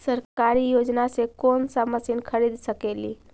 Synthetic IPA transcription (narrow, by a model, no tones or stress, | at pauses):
səɾkaɾijod͡ʒnasekonsaməsinkʰəɾid̪səkelḭ